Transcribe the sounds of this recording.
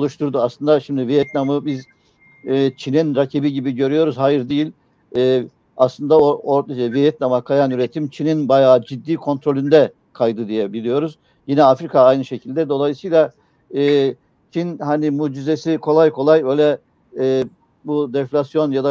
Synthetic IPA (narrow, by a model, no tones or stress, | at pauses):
olˠuʃt̪ʰuɾd̪uaslˠɯnd̪aʃimd̪ivijɛt̪̚namɯbiz | ɛːt͡ʃʰininɾacʰibiɟibiɟø̞ɾyjo̞ɾuzhajɯɾd̪ijilʲ | ɛː | aslˠɯnd̪aooɾɛvijɛt̪̚namakʰajanyɾet̪ʰimt͡ʃʰininbajaːd͡ʒid̪ːiːkʰo̞nt̪ɾo̞lʲynd̪ɛ | kʰajd̪ɯd̪ijɛbilʲijo̞ɾuz | jinɛafɾikʰaajnɯʃecʰilʲd̪ɛd̪o̞lˠajɯsɯjlˠa | ɛː | t͡ʃʰinhanimuːd͡ʒizesikʰo̞lˠajkʰo̞lˠajø̞ːjlʲɛː | bud̪ɛflʲasjo̞njad̪a